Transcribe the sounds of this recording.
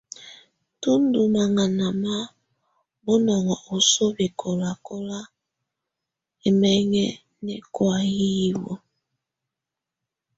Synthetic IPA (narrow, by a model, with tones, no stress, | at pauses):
tu˦n˦du˨ma˨ŋa˨na˨ma˦ | bo˦nɔ˨ŋa˨ʔo˨so˦be˨kʰo˨la˨ko˦la˦ | e˨mɛ˦ŋɛ˦ | nɛ˨kwa˨ji˦wo˨